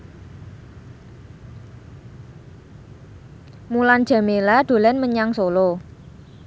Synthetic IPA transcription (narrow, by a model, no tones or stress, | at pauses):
muland̥ʒ̥ä̤melaɖ̪̥o̤lɛnməɲaŋsolo